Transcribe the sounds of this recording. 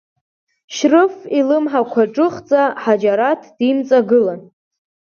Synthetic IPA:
ʃrɨfilɨmħakʷʰaʈ͡ʂʼɨχt͡sʼaħad͡ʒaɾatʰd̥imt͡sʼaɡɨlan

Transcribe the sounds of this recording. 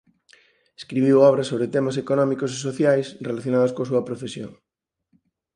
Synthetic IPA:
eskɾiβiwɔβɾɐsoβɾet̪emas̬ekonɔmikos̬esoθjajsrelaθjonaðoskoasuɐpɾofesjo̰ŋ

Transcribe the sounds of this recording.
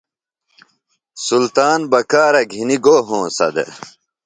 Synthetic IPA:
sult̪aːnbɐkaːɾɐɡʱiniɡoːɦõːsɐ̰d̪ḛ

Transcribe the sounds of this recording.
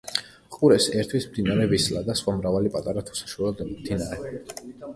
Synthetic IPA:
qʼuɾɛsɛɾt̪ʰwismd̪inaɾɛvislad̪asχwamɾavalipʼat̪ʼaɾat̪ʰu̥sḁʃuɛd̪ɛnmd̪inaɾɛ

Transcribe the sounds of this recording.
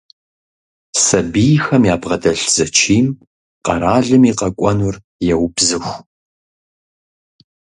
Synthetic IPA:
sɐbijxɐmjaːbʁɐdɐɬz̥ɐt͡ʃʰiːm | qɐɾaːɮɨmiːqɐkʷʼɔnʊr | jɛwbzɨxʷ

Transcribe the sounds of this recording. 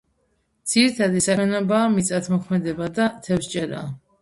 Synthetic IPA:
d̪z̥iɾit̪ʰad̪isaɛnɔbaːmit̪sʼat̪ʰmɔkʰmɛd̪ɛbad̪at̪ʰɛfst͡ʃʼɛɾa̰ː

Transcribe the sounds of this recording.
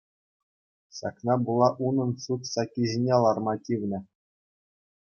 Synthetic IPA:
ɕɑ̰knɑbulˠɑʔunɤ̆nsut̪sɑkʲːiʑinʲelˠɑrmɑtʲiʋʲnʲɘ̆

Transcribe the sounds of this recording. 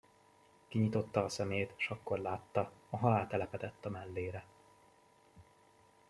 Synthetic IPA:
kiɲit̪o̞t̪ːɒːsɛmeːjt̪ːʃɒkːo̞rlaːt̪ːɒɒɦɒlaːt̪ɛlɛpɛt̪ɛt̪ːɒmɛlːeːɾɛ

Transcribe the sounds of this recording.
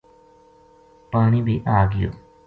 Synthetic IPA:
paːñiːbʱiʔaːɡɪjo̰ː

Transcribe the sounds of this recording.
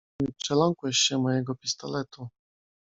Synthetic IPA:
ɲɘpʂɛlɔŋkwɛɕɕɛmɔjɛɡɔpʲist̪ɔlɛt̪u

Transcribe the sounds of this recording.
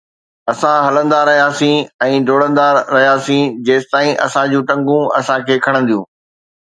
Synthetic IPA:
ɐsãɦɐlə̃nd̪aɾɐɦijaːsĩɛ̃ːɖʱoːɽə̃nd̪aːɐɦijaːsĩd͡ʑeːsɪt̪aːĩʔɐ̰sãd͡ʑũːʈɐ̃ŋɡũɐ̰sãkʰeːkʰɐɽ̃ə̃n̆d̪ijũː

